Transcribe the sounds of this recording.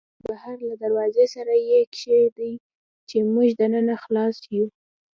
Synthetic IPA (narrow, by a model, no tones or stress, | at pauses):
bahaɾlad̪aɾwɑzesaɾajekʃejd̪aj | t͡ʃemuʒd̪ənənaxlɑsju